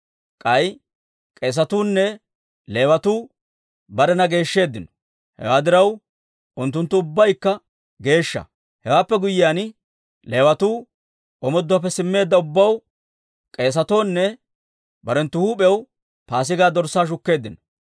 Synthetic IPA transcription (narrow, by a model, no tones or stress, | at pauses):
kʼɐj | kʼe̞ːs̬ɐt̪uːnːɛ | le̞ːwɐt̪uː | bɐɾɛnɐɡe̞ːʃːe̞ːd̪ːɪnɔ̥ | hɛ̰waːd̪ɪɾɐw | ʔʊnt̪ːʊnt̪ːʊʊbːɐjkːɐ | ɡe̞ːʃːɐ̰ | hɛwaːpːɛɡʊjːɪaːn | le̞ːwɐt̪uː | ʔɔmɔd̪ːʊwɐp̬ːɛsɪmːe̞ːd̪ːɐʊbːɐw | kʼe̞ːs̬ɐt̪o̞ːnːɛ | bɐɾɛnt̪ːʊhuːpʼɛw | paːs̬ɪɡaːd̪ɔɾsaːʃ̬ʊkːe̞ːd̪ːɪnɔ̥